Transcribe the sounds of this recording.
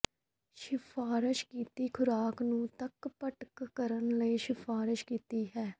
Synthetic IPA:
ʃɪfʰaːɾɪʃkiːt̪iːkʰʊɾaːknũːt̪əkpəʈkːəɾənləiːʃɪfʰaːɾɪʃkiːt̪iːɦɛː

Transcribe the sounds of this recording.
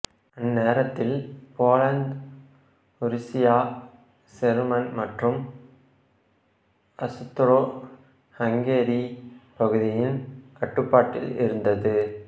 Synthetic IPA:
ɐnːeːɾɐt̪ːɪlpoːlɐnd̪ | ʊɾɪsɪjaː | sɛɾmɐnmɐʈrɯm | ɐsɯt̪ːɐɾoː | hɐŋɡeːɾipɐɣɯðɪjɪnkɐʈːɯpːaːʈːɪ̰lɪ̰ɾɯnd̪ɐðɯ

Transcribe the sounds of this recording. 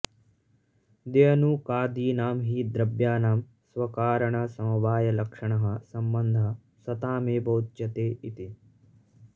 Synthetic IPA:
d̪ejɐnukaːd̪iːnaːmɦiːd̪ɾɐbjaːnaːm | sʋɐkaːɾɐɳɐsɐmɐʋaːjɐlɐkʂɐɳɐɦɐ̆sɐmbɐnd̪ʱɐ | sɐt̪aːmeːbɐwt̪t͡ʃɐt̪eːʔit̪i

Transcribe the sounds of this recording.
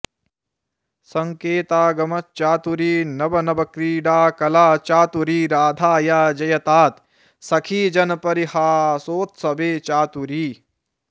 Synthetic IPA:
sɐŋkeːt̪aːɡɐmɐt͡ʃaːt̪uɾiːnɐbɐnɐbɐkɾiːɖaːkɐlaːt͡ʃaːt̪uɾiːɾaːd̪ʱaːjaːd͡ʒɐjɐt̪aːt̪ | sɐkʰiːd͡ʒɐnɐpɐɾihaːsoːt̪sɐbeːt͡ʃaːt̪uɾiː

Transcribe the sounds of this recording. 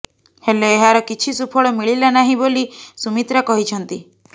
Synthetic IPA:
heloeɦaɾɔkit͡ʃʰisupʰɔɭɔmiɭilanaɦĩbolisumit̪ɾakɔɦit͡ʃʰɔnt̪i

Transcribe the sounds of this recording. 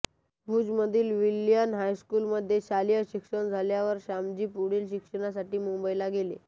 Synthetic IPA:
bʱuːd͡zməd̪ʱiːlʋiljənɦajskuːlməd̪ʱːjeɕalijəɕikʂəɳd͡zʱaljaʋəɾɕamd͡ʑiːpuɽiːlɕikʂəɽ̃asaʈiːmumbəjlaɡele

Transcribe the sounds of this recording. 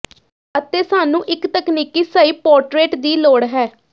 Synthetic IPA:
ət̪eːsaːnũːʔɪkt̪əkniːkiːsəiːpɔːɾʈɾeːʈd̪iːloːɽɦɛː

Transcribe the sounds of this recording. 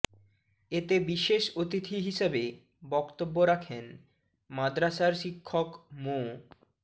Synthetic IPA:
et̪ebiʃeʃot̪it̪ʰiɦiʃebe | bɔkt̪obːoɾakʰen | mad̪ɾaʃaɾʃikʰːokmo

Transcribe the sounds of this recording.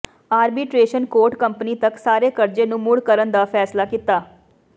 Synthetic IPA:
aːɾbiːʈɾeːʃənkoːɾʈkəmpəniːt̪əksaːɾeːkəɾd͡ʒeːnũːmʊɽkəɾənd̪aːpʰɛːslaːkit̪aː

